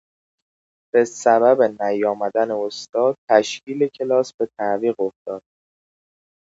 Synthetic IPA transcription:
b̥e̞sæbæbenæjɒːmæd̪æneost̪ɒːd̪̚t̪ʰæʃcʰiːlecʰe̞lɒːsbe̞t̪ʰæʔviːɣo̞ft̪ɒːd̪̥̚

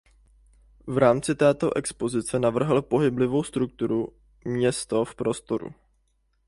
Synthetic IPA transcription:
vɾaːmt͡sɪt̪ɛːt̪o̞ʔɛkspo̞zɪt͡sɛnavr̩ɦl̩po̞ɦɪblɪvo̞wst̪ɾuk̚t̪uɾu | mɲɛst̪o̞fpɾo̞st̪o̞ɾṵ

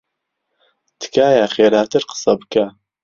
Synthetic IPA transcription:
t̪ʰɨ̥kʰaːjaχeːɾaːt̪ɨɾqə̥sɐbɨka

